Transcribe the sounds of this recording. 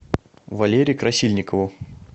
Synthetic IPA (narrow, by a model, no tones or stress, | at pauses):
vɐlʲeɾʲɪjʊkɾɐsʲilʲnʲɪkəvʊ